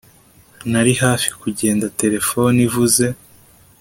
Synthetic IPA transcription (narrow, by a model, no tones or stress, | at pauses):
naɾihaːfi̥kuɟe̞ːndate̞ɾe̞fo̞nivuze̞